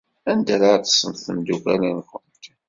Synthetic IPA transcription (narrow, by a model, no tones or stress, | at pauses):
ænd̪æɾaɾt͡s̪ə̥sːənθəmd̪ukælænkənt̪